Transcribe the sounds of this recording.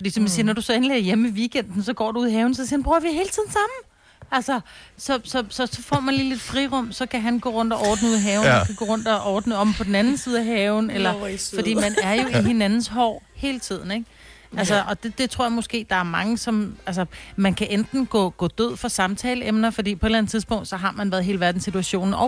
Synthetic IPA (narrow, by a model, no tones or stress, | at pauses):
fɒdḭːsɒmisiːɐnɒd̥usɒ̽enleɐjemeʋiːɡ̥en̰d̥n̩sɒ̽ɡ̥ɒ̰ːduuːðˠɦɛːʊn̩sɒsiɐnbʁuɐʋihe̝ːlət͡sʰið̞̰ˠn̩sɑ̈mn̩ | ælsɐsɒ̽sɒ̽sɒ̽sɒ̽fɒ̰ːmænliːle̝d̥fʁiʁɔ̽m̰sɒ̽kʰæɦænɡ̥ɔ̰ːʁɔ̽n̰d̥ɒʔɒːd̥n̩əuðˠɦɛːʊnn̩ɒkʰæɡ̥ɔ̰ːʁɔ̽n̰d̥ɒʔɒːd̥nəɒ̽b̥̩pʰɒ̽d̥n̩ænn̩siːð̞̩ˠæɦɛːʊn̩elɐfɒd̥ḭːmænæɐjo̝iɦe̝nænn̩sɦɒ̰ːhe̝ːlət͡sʰið̰ˠn̩eɡ̥ | ælsɐʔɒ̽d̥e̝d̥e̝t͡sʰʁo̝ɐ̰jɑ̈mo̽sɡ̥e̝̰ːd̥ɑ̈æɐmɑ̈ŋəsɒ̽mæls̬əmænkʰæʔend̥n̩ɡ̥ɔ̰̽ːɡ̥ɔ̰ːd̥øð̰ˠfɑsɑ̈mt͡sʰɛːləemnɐfɒ̽d̥ḭːpʰɒ̽ed̥læn̩t͡sʰiðˠsb̥ɔ̽ŋ̰d̥sɒ̽ɦɑ̈mænʋæːɐðˠɦe̝ːləʋæɐd̥n̩sit͡sʰuæɕo̝̰ːnn̩ɒ